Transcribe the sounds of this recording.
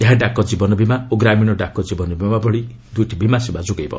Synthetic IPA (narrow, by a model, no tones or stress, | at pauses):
eɦãɖakɔd͡ʒibɔnɔbʱimaoɡɾamiɽ̃ɔɖakɔd͡ʒibɔnɔbʱimabɔɽi | d̪ujʈʰibimasibad͡ʒuɡejbɔ̰